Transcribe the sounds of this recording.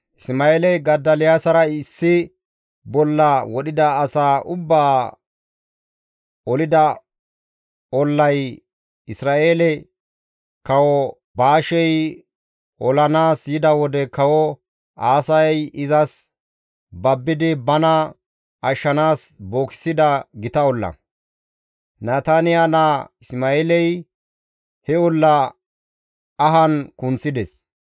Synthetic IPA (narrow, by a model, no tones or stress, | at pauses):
sɪmɐeːlɛɡɐd̪ːɐlɪjaːsɐɾɐɪsːɪ | bɔlːɐwɔɗɪd̪ɐːsaːʔʊbːaː | ɔlɪd̪ɐ | ɔlːɐj | ɪsɾaːʔeːlɛ | kɐwɔ | baːʃɛj | ʔɔlɐnaːsjɪd̪ɐwɔd̪ɛkɐwɔ | aːsɐjjɪzɐs | bɐbːɪd̪ɪbɐnɐ | ɐʃːɐnaːsboːkɪ̥sɪd̪ɐɡɪt̪ɐɔlːɐ̰ | naːt̪anɪjanaɪsmaeːlɛj | hɛɔlːɐ | ɐɦɐnkʊnt͡sːɪd̪ɛs